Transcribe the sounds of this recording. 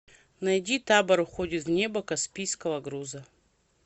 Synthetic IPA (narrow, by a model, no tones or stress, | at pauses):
nɐjdʲit̪abɐɾʊxodʲɪt̪vnʲebɐkɐspʲijskəvɐɡɾuzə